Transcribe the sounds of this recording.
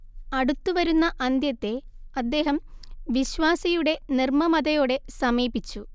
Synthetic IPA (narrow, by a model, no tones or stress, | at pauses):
ɐɽut̪ːuʋɐɾunːɐʔɐnd̪jɐt̪ːe̞ | ɐd̪ːe̞ːɦɐmʋiɕʋaːsɐjuɽe̞nirmɐmɐd̪ɐjo̞ːɽe̞sɐmiːbit͡ɕːu